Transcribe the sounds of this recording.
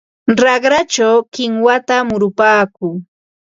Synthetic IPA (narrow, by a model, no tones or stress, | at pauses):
ɾɑɢɾat͡ʃawkɪŋwat̪amʊɾʊpaːkʊː